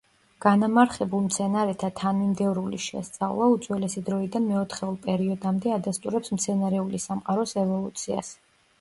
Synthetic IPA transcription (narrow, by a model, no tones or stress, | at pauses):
ɡ̥anamaɾχɛbulˠmt̪sʰɛnaɾɛt̪ʰat̪ʰanimd̪ɛvɾuliʃɛ̰st̪sʼa̰vlˠaut̪sʼwɛlɛsid̪ɾɔid̪anmɛɔt̪ʰχɛulˠpʼɛɾiɔd̪amd̪ɛad̪ast̪ʼuɾɛpsmt̪sʰɛnaɾɛulisamqʼaɾɔsɛvɔlˠut̪sʰia̰s